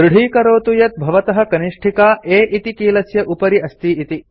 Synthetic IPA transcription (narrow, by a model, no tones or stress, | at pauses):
ɾuɽ̤ʱiːkɐɾoːt̪ujɐt̪̚bʱɐʋɐt̪ɐɦɐkɐniʂʈʰikaːʔeːʔit̪ikiːlɐsjɐʔupɐɾiɐst̪iːit̪i